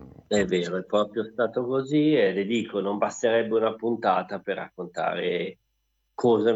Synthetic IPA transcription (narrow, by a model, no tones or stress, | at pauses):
ɛvːeːɾoɛpːɾɔːpɾjost̪aːt̪okoziɛled̪iːkʰonombast̪eɾɛbːeunapunt̪aːt̪aperːa̰kːont̪a̰ːɾe | kʰɔːza